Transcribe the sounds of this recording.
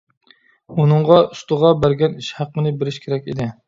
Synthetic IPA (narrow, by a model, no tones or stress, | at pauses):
unɨɴʁɑust̪ʊʁɑbæɾɡʲɛniʃhæqːənɨbeɾɪʃkʲʰeɾɛkʲḭd̪ɪ